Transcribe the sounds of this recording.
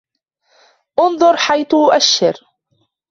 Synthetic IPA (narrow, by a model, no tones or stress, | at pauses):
ʔʊnðˤʊɾˤħajθʔʊʔaʃːɪɾ